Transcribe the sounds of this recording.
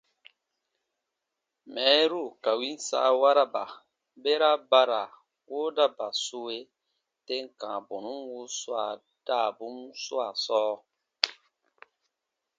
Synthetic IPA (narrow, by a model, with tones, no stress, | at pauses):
mɛ˨˦ɾu˦˨ka˨wi˦n˦sa̰ː˦wa˦ɾa˦ba̰˨ | be˦ɾa˦ba˦ɾa˨ | woː˦da˦ba˨su˦we˦ | te˦ŋkã˨bo˨nu˦mwu˦swa˨ | d̥a˦˨bu˦msu˦a˨sɔː˦